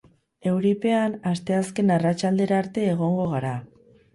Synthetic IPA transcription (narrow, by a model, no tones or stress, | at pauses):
e̞wɾipe̞anast̪e̞aske̞narat͡ʃald̪e̞ɾaːɾt̪e̞ːɣ̞o̞ŋɡo̞ɣ̞aɾa